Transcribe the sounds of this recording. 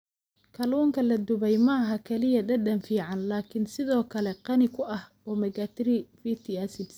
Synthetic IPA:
kʰɐlɔːŋkʰɐlɐd̪ʊβɛjmɐɦɐkʰɐlɪjɐd̪ɐɖɐnfiːʕɑnlaːkʰɪnsɪðɔːkʰɐlɛqɑnɪkʰʊʔɐh | ɔːmɐɣɐt̪ʰɾifit̪ʰiasɪbs

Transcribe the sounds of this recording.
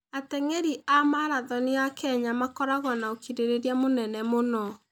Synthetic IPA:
atɛŋeɾiʔamaɾaðɔneakʰɛɲamakɔɾaɣɔnaokiɾeɾeɾjamonɛnɛmonɔ

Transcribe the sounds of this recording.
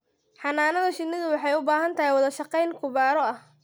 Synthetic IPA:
ħɑnaːnɐðɐʃɪnːɪðʊwɑħɑjʊbaːɦɐnt̪ʰɐɦjwɑðɐʃɑqɛjŋkʰʊβaːɾɔɐh

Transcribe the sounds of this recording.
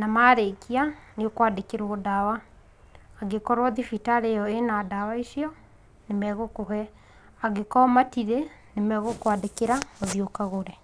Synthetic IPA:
namaɾekianeokwadekeɾoodawaː | ɡekɔɾwɔðifitaɾejɔenadawaisiɔ | nemɛɣokoɦɛ | aɡekɔmatiɾenemɛɣokwadekeɾaoðiokaɣoɾɛ

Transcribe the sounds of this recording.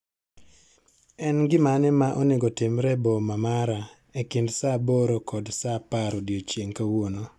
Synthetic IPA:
ɛnɡɪmanɪmaʔɔnɪɡɔtɪmɾɛbɔmamaɾa | ekɪndsabɔɾokɔdsapaɾodjot͡ʃjeŋkawono

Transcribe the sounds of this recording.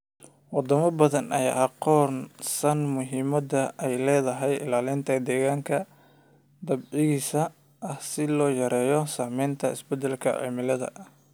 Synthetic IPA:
wɑd̪ɐmɐbɐðɐnʔɐja̰ːʔɑqɔːnsɐnmʊɦiːmɐd̪ɐɛjlɛːðɐɦɛjɪ̰laːlɪnt̪ʰɐd̪ɛːɣaːŋkʰɐ | d̪ɐbʕɪɣiːsɐ | ʔɐhsɪlɔːjɐɾɛːjɔsaːmɛjnt̪ʰɐɪ̰sbɛd̪ɛlkʰɐ̰ʕḭːmɪlɐðɐ̰

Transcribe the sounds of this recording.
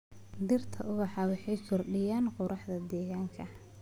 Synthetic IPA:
d̪ɪrt̪ʰɐʔʊɣɑħɑːwɑħɑjsʊrɖɪjaːnqʊɾʔɑħd̪ɐd̪ɛːɣaːŋkʰɐ

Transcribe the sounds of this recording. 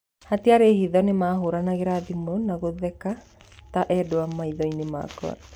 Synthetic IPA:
hateaɾehiðɔnemaɦoɾanaɣeɾaðimonaɣoðɛka | taʔɛdoamaiðɔinema̰kɔ̰a̰

